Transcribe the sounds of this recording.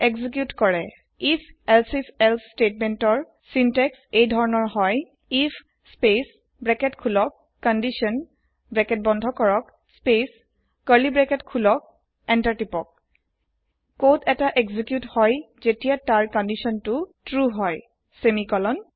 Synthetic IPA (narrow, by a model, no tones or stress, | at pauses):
eɡzik̬jutkɔɹɛ | ifʰɛlsisɛlstetmentɔɹ | sintɛksejdʱɔɹɔnɔɹɦɔj | if | spes | bɹɛkɛtkʰulɔkːɔndisɔn | bɹɛkɛt̚bɔndʱɔkɔɹɔk | spes | kəɹlibɹɛkɛtkʰulɔk̚ | ɛntaɹtipɔk̚ | kotɛtaʔeɡzikjuthɔj | zetijataɹkɔndisɔntutɹuɦɔj | semikɔlɔn